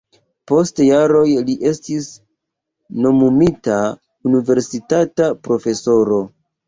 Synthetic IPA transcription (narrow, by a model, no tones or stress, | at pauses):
po̞stjaɾo̞jliʔe̞stis | no̞mumita | unive̞ɾsitatapɾo̞fe̞so̞ɾo̞